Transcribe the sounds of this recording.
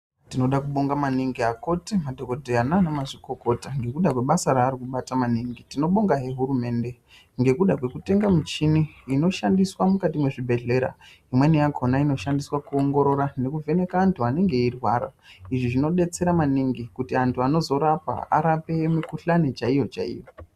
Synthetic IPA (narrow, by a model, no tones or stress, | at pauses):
tino̞ɗakuɓo̞ŋɡamaniŋɡiako̞timadʱo̞kodʱejananamaʐiko̞ko̞taŋɡe̞kuɗakwe̞ɓasaɾaːɾikuɓatamaniŋɡitino̞ɓo̞ŋɡaɦe̞ɦuɾume̞ːnde̞ | ŋɡe̞kuɗakwe̞kute̞ŋɡamit͡ʃiniːno̞ʃandiswamukatimwe̞ʐibʱe̞ɮe̞ɾa̰ | imwenejakʰo̞naino̞ʃandiswakuo̞ŋɡo̞ɾo̞ɾane̞kuve̞ne̞kaːntʰuane̞ŋɡe̞irwaːɾa̰iʐiʐino̞ɗe̞t͡se̞ɾamaniŋɡikutiantʰuano̞zo̞ɾapa̰a̰ɾape̞mikuɬanet͡ʃaijo̞t͡ʃa̰ḭjo̞